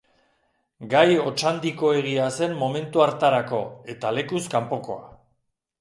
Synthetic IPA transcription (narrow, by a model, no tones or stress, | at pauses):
ɡajo̞t͡ʃand̪iko̞e̞ɣ̞iase̞mːo̞me̞nt̪uaɾt̪aɾako̞e̞t̪ale̞kuskampo̞ko̞a̰